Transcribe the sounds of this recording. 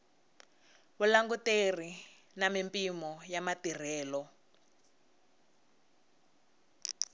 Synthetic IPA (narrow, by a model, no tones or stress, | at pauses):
βulaŋɡuter̤i | namimpʼimɔjamatir̤ɛːlɔ